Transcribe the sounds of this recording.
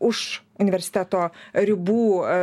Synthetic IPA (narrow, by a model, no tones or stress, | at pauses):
ʊʃ | ʊnʲɪʋʲɛɾʲsʲɪ̥t̪ʲæt̪oːɾʲɪbuː